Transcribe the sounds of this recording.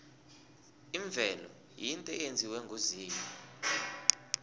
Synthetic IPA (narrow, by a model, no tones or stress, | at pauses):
iɱb̪vʱɛlɔ | jintʼɛend͡zʱiwɛŋɡʱuziːmɔ